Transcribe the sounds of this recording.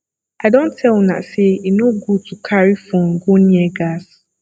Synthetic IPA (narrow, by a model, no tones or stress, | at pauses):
aɪdõntʰɛl̃nã̰seinoɡutʰukʰaɹifõn̩ɡonĩɛɡas